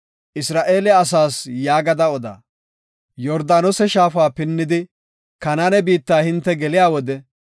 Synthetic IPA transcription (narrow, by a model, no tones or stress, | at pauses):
ʔɪsɾaːʔe̞ːlɛɐsaːsjaːɡɐd̪ɐɔd̪a̰ː | jɔɾd̪aːnɔsɛʃaːfaːpɪnːɪd̪ɪ | kɐnanɛbiːt̪ːaːhɪnt̪ːɛɡɛlɪjaːwɔd̪ɛ